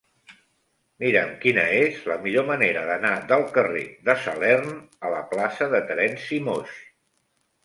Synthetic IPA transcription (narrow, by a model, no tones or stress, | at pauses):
miɾəmkinəezləmiʎoməneɾəðənaðəlˠkərḛðəsə̰lɛɾnələplasəðət̪ɾɛnsimos